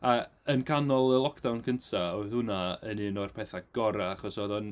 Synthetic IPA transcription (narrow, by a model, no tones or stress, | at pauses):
aənkʰanɔlˠəlˠɔkʰd̥awnkʰəntʰaoɨθʊnaəniːnɔrpʰɛθaɡ̥ɔɾaaχɔsoðɔn